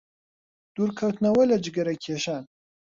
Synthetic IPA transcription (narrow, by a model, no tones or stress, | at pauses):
d̪̥uːɾkʰɐwt̪nɐwɐlɐd͡ʒɨɡɐɾɐkʰeːʃaːn